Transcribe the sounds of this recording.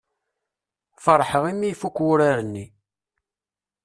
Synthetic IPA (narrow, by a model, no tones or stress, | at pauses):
fəɾˤħəʁimːijfukːwʊɾaɾənːi